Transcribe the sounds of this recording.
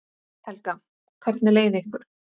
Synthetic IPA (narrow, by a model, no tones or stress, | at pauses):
t̪ʰɛlka | kʰvɛɾt̪̚nɪleːjðɪeɪhkʏɾ̥